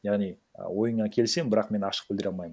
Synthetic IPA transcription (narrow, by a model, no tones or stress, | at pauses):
jɑʁnij̰wo̞jəɴɑkʲʰe̞lse̞ŋbɪɾɑqme̞nɑʃə̥q̚b̥ɪld̪ɪɾɑlˠmɑjmə